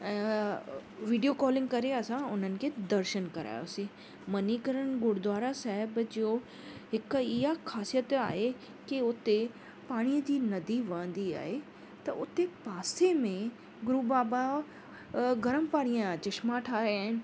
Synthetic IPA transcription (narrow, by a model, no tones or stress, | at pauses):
ɛ̃ː | ʋiːɖijokɔːlɪ̃ŋɡkɐɾeɐsãʊn̤ənɪ̆kʰeːd̪ɐɾʃənkɐɾa̰ːjo̰sĩ | mɐnikəɾəñɡʊɽd̪ʋaːɾasaːɦɪbd͡ʑio | ɦɪkɪɦakʰaːsijət̪a̰ːɦe | kiʊt̪e | paːɽ̃ijəd͡ʑiːnɐd̪iʋɐ̃ə̃nd̪ia̰ːɦe | t̪ɐʔʊt̪epaːsemẽ | ɡʊɾubaːba | ɡɐɾəmpaːɽijãt͡ɕɪʃmãʈʰaːɾaːɦɪn̆